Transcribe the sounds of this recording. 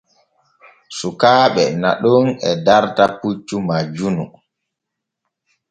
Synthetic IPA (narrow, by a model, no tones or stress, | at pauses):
sukaːɓɛna̰ɗɔnɛ̰daɾtaput͡ʃːumad͡ʒunu